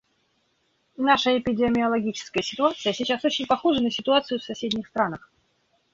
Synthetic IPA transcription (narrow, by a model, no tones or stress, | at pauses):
naʂəɪpʲɪdʲɪmʲɪɐlˠɐɡʲit͡ɕɪ̥skəjəsʲɪt̪ʊat̪sɨjəsʲɪt͡ɕasot͡ɕɪnʲpɐxoʐɨnəsʲɪt̪ʊat̪sɨjʊfsɐsʲedʲnʲɪxst̪ɾanəx